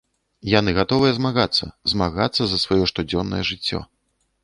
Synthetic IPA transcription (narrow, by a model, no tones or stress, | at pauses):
janɨɣat̪ɔvɨjɛzmaɣat̪sːɐ̰zmaɣat̪sːɐzɐsvajɔʂt̪ud͡zʲɔnːɐ̰jɛʐɨt͡sʲːɔ̰